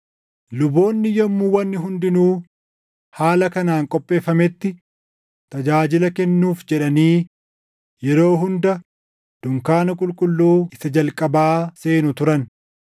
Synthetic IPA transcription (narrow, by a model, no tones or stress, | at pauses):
lʊbo̞ːnːɪjɔmːuwɐnːɪɦʊnd̪ɪnuː | haːlɐkɐnaːŋkʼɔpʼːe̞ːfːɐmɛt̪ːɪ | t̪ɐd͡ʒaːd͡ʒɪlɐkɛnːuːfd͡ʒɛᶑɐniː | jɛɾo̞ːɦʊnd̪ɐ | d̪̥ʊŋkaːnɐkʼʊlkʼʊlːuːɪsɐd͡ʒɐlkʼɐbaːse̞ːnʊt̪ʊɾɐn